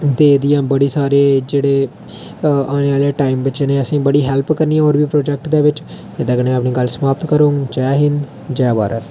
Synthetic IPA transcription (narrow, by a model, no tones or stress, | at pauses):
d̪eːd̪ijãːbəɽiːsaːɾeːd͡ʒeːɽeː | aːneːaːlaːʈaːɪmʋɪt͡ʃːneːəsĩːbəɽiːɦɛlpkəɾniãːɔːɾbiːpɾoːd͡ʒɛːk̚ʈd̪eːʋɪt͡ʃ | ed̪aːkənẽːapniːɡəlsəmaːpt̪kəɾoːŋt͡ʃaɦɪn | d͡ʒɛːba̰ːɾə̰t̪